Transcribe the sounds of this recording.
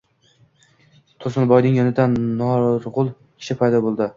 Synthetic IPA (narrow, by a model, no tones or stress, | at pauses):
t̪ʰʊɾsɪnbɒjnɪŋjɒnɪd̪annɒɾʁʊlˠ | kʲʰɪ̥ʃɪpʰajd̪ɒbolˠd̪ɪ